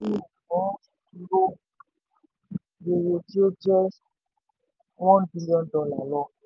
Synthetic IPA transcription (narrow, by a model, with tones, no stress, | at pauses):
i˦˨ɡɔ̃˨˦ | ɾo˦ | je˨jo˨ti˦o˦d͡ʒɛ˦ | wɔ̃˦nbi˦li˦ɔ̃˦ndɔ˦la̰˨lɔ˦˨